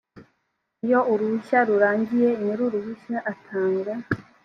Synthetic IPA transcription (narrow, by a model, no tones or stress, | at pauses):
ijo̞ʔuɾuβuçaɾuɾaːɲɟije̞imeɾuɾuβuʃaʔatʰaːŋɡɾa